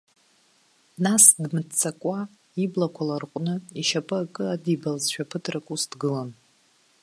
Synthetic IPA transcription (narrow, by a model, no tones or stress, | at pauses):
nasdmɨtt͡sʰakʷʼa | iblakʷʰalarqʷʼnɨiʃapʼɨakʼɨadibalzʃᶣapʰɨtʰrakʼusdɡɨlan